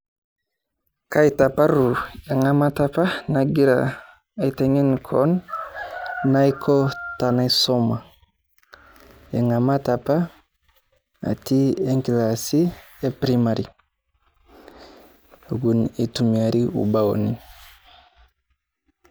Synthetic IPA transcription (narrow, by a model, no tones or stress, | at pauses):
kaitapaɾueŋamatapanaɡiɾa̰ | iteŋenkʰon | aikʰotanasoma | eŋamatapa | a̰tieŋkilasiepɾimaɾi | ɡunitumiaɾiṵbawo̰ni